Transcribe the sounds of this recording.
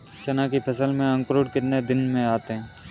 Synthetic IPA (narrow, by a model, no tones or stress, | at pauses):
ʃɐnakipʰəsəlmẽɐ̃ŋkɾoːɽkɪɾned̪ɪnmẽaːt̪eɦɛ̃ː